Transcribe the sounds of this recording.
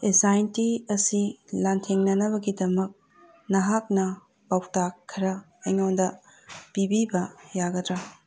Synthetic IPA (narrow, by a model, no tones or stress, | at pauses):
esajintiɐsilantʰeŋnɐnɐβɐɡidɐmɐk̚ | nɐɦak̚nɐ | pawtakʰːɐɾɐ | ɐjŋondɐ | pibibɐjaɡɐdɾa